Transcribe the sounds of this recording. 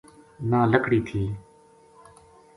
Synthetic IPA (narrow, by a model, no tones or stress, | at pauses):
nãːləkʰɽiːt̪ʰiː